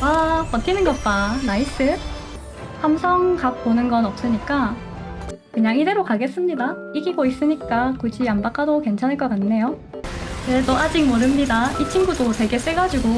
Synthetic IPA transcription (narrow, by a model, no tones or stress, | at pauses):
wapʌtʰinɯnɡʌt̚t͈anais͈ɯ | hamsʰʌŋkak̚p͈onɯnɡʌnʌp̚s͈ɯɲik͈a | kɯɲaŋide̞ɾokaɡe̞s͈ɯmɲida | iɡiɡois͈ɯɲik͈akud͡ʑʰiambak͈adokent͡ɕʰanɦɯɭkʌkanːe̞jo | netʌad͡ʑik̚mʌɾɯmɲidait͡ɕʰinɡudote̞ɡe̞s͈eɡad͡ʑiɡo